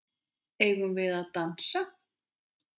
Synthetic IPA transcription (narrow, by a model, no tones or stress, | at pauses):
ejɣunvɪðaðt̪ansa